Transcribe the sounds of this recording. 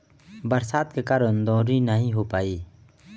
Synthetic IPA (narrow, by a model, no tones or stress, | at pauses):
bɐɾsaːt̪̚kekaːɾənd̪ɔ̃ːɾinəɦĩɦoːpaːiː